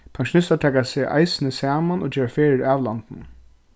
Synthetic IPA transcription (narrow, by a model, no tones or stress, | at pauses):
pʰaŋʃʊnɪst̪aʈʰɛːkasɪʔa̰ɪsɪnəsæːmanoːd͡ʒeːʋafeːɾɪɾɑːʋlant̪n